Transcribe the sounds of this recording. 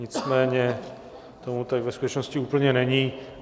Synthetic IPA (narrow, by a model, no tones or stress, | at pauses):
ɲɪt͡smɛːɲɛ | t̪omut̪aɡvɛskut̪ɛt͡ʃnoscɪuːpl̩ɲɛnɛɲi